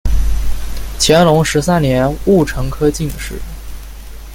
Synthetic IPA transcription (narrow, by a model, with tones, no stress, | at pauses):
t͡ɕʰjɛ˧˥nlʊ˧˥ŋʂɻ̩˧˥sa˥nnjɛ˧˥nu˥˩ʈ͡ʂʰɤ˧˥ŋkʰɤ˥t͡ɕi˥˩ŋd̪ə˩ʂɻ̩˥˩˥